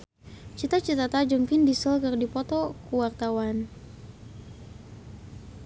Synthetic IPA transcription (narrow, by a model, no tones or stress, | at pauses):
t͡ʃit̪at͡ʃit̪at̪ad͡ʒəmkɪndisəlkərdipɔt̪ɔkuwart̪awan